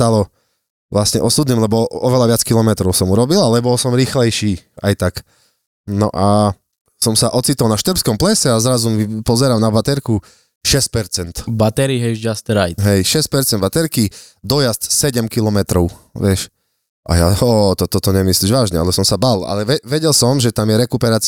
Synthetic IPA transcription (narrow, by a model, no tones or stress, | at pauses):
t̪alɔ | ʋlasɲɛʔɔsud̪nimlɛbɔɔʋɛlaʋɪat͡skilɔmɛt̪ɾɔʊsɔmuɾɔbilalɛbɔlsɔmɾiːxlɛjʃiːa̰jt̪ak | nɔ̰ʔa | sɔmsaʔɔt͡sit̪ɔlˠnaʃt̪ɾ̩pskɔmplɛsɛazɾazumipɔzɛɾamnabat̪ɛɾku | ʃɛsc̚pɛɾt͡sɛnt̪bat̪ɛɾiɦɛʒd͡ʒast̪ɛɾajɦɛjʃɛsc̚pɛɾt͡sɛnd̪bat̪ɛɾki | d̪ɔjast̪sɛɟɛmkilɔmɛt̪ɾɔʊʋɪɛʃ | ʔa̰jaɔːt̪ɔt̪ɔt̪ɔɲɛmisliːʒʋaːʒɲɛa̰lɛsɔmsabala̰lɛʋɛʋɛɟɛlsɔmʒɛt̪amjɛɾɛkupɛɾaːt͡s